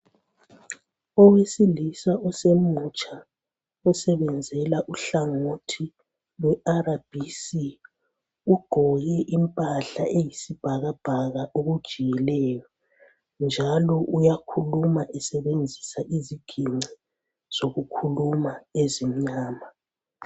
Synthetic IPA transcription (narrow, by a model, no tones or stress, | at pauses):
ɔwesilisaɔsemut͡ʃʼa | usɛβɛnd͡zʱɛlaʔuɬaŋotʰi | lwɛʔaɾab̥ʱisi | uɡ̥ʱɔɣɛʔimpʼaɬaʔejisib̥ʱaɣab̥ʱaɣaʔoɣud̥ʒ̥ʱijɛlɛjɔ | nd͡ʒʱalɔʔujakʰulumaʔɛsɛβend͡zʱisaʔiziɡ̥ʱiŋ͡ǀʱi | z̥oɣukʰulumaezim̩ɲaːma